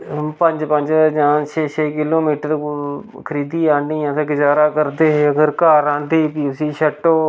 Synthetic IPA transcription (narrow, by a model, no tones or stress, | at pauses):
pəɲd͡ʒpəɲd͡ʒd͡ʒãːt͡ʃʰeːt͡ʃʰeːkɪloːmiːʈ | kʰəɾiːd̪iːãːiːjãːt̪eːɡɪd͡ʒaːɾaːkəɾd̪eːɦeːəɡəɾkaːɾãːnd̪eːpiːʊsiːʃəʈːoː